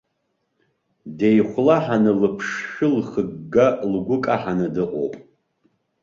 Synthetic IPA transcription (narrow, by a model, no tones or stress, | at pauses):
dejχʷlaħanɨlɨpʰʂʃɨlχəɡɡalɡʷʊkʼaħanɨdɨʔʼo̰pʼ